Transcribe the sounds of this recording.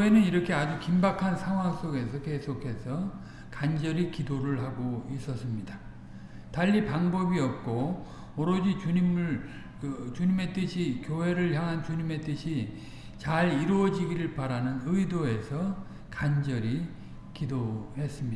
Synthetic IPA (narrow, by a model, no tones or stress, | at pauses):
koɦenɯniɾʌkʰe̞ad͡ʑukimbakʰansʰaŋwaŋs͈oɡe̞sʰʌke̞sʰokʰe̞sʰʌ | kand͡ʑʌɾikidoɾɯɭɦaɡois͈ʌs͈ɯmɲida | taʎːipaŋbʌbiʌp̚k͈o | mʌɾʌd͡ʑit͡ɕuɲim | t͡ɕuɲime̞t͈ɯɕʰikjoɦe̞ɾɯɭçjaŋɦant͡ɕuɲime̞t͈ɯɕʰi | t͡ɕaɾiɾuʌd͡ʑiɡiɾɯɭpaɾanɯnɯidoe̞sʰʌ | kand͡ʑʌɾi | kidohe̞s͈ɯmɲi